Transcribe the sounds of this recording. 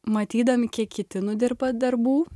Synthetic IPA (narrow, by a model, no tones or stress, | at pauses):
mɐt̪ʲiːd̪ɐmʲɪkʲiɛkʲkʲɪt̪ʲɪnʊd̪ʲɪrbɐd̪ɐɾbuː